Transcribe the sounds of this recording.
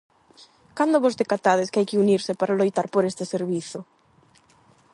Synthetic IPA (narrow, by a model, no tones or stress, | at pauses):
kand̪ʊβozðekat̪aðɪskɪajkɪuniɾsɪpaɾalojt̪aɾpoɾest̪ɪseɾβiθʊ